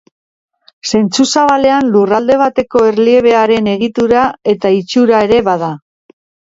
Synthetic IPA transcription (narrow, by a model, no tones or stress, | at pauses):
se̞nt͡susaβale̞anlurald̪e̞β̞at̪e̞ko̞eɾlie̞β̞e̞aɾe̞ne̞ɣit̪uɾae̞t̪ait͡ʃuɾae̞ɾe̞βað̞a